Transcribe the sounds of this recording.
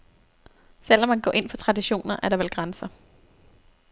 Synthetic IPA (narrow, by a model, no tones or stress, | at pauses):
sel̰ɒ̽mːænɡ̥ɒ̰ːʔe̝n̰fʰɒ̽t͡sʰʁɑ̈d̥iɕo̝̰ːnɐʔæɐɾ̥ɑ̈ʋelɡ̥ʁansɐ